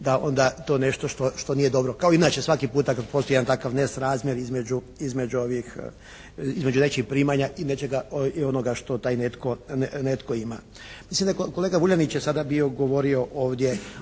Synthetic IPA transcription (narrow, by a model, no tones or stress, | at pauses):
d̪ao̞̰nd̪at̪o̞ːne̞ʃt̪o̞ʃt̪o̞ʃt̪o̞nije̞d̪o̞bɾo̞kaoiinat͡ʃesʋakipuːt̪akad̪̚post̪ojant̪akaʋnesɾaːzmʲjeɾizmed͡ʑu | izme̞d͡ʒuoʋix | izme̞d͡ʒune̞t͡ʃixpɾiːmaɲaʔinet͡ʃeɡaio̞noɡaʃt̪o̞t̪aːjnet̪kone̞t̪ko̞ima̰ | mislimd̪ako̞leːɡaʋuʎanit͡ɕjesad̪abio̞ɡo̞ʋo̞ɾio̞ʔoːʋd̪je